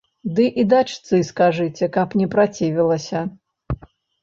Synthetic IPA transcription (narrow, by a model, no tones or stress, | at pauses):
d̪ɨʔid̪at͡ʂt̪sɨskaʐɨt͡sʲɛkɐpnʲɛpɾat͡sʲivʲilˠɐsʲɐ